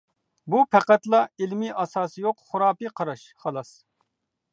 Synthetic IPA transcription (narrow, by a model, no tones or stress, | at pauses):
bupʰɛqɛt̪lˠɑelmiʔɑsɑːsɨjoqχʊɾɑːpɨqʰɑɾɑʃ | χɑlˠɑs